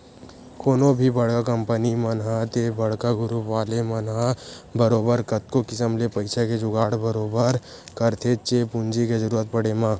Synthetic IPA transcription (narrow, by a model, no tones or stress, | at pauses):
koːnobʱibɐɽkakəmpənimənɦat̪ebɐɽkaɡʊɾuʋaːlemɐnɦãbəɾoːbəɾkət̪̚kokɪsəmlepəɪsaked͡ʒʊɡaːɽbəɾoːbəɾ | kəɾt̪ʰet͡ʃepʊnd͡ʒikezəɾuːɾət̪̚pəɽemãː